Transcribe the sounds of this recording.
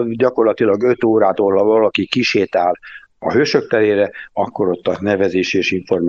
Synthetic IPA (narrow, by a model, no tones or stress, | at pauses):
ɟɒko̞rlɒt̪ilɒɡøt̪oːɾaːt̪oːlɒvɒlɒkikiʃeːt̪aːl | ɒ̰ɦøːʃø̞k̚t̪ɛleːɾɛɒkːo̞ɾo̞t̪ːɒnɛvɛzeːʃieːʃiɱfo̞rm